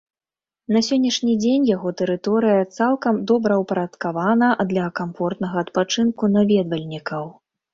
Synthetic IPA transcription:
nɐsʲɔnʲːɐʂnʲid͡zʲenʲjaɣɔt̪ɛɾɨt̪ɔɾɨjɐt̪salˠkɐmd̪ɔbɾɐwpɐɾɐt̪kavanɐʔd̪lʲɐkamfɔrt̪nɐɣɐːt̪pat͡ʂɨnkunavʲɛd̪vɐlʲnʲikɐw

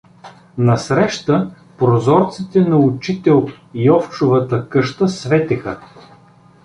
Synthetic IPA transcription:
nɐsɾɛʃt̪ə | pɾozɔɾt̪sit̪ɛnɐʊt͡ʃit̪ɛlˠ | iɔft͡ʃʊvət̪əkɤʃt̪əsvɛt̪ɛxə

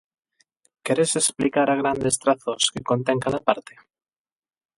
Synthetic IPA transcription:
keɾese̞splikaɾaɣ̞ɾand̪e̞st̪ɾaθoskekont̪eŋkaðapaɾt̪e

